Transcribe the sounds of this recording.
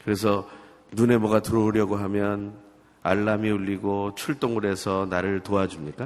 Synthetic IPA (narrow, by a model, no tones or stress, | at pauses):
kɯɾe̞s̬ʰʌ | nune̞mʌɡatɯɾʌuɾjʌɡoɦamjʌn | aɭːamiuʎːiɡot͡ɕʰuɭt͈oŋɯɾe̞sʰʌnaɾɯɭtoad͡ʑumɲik͈a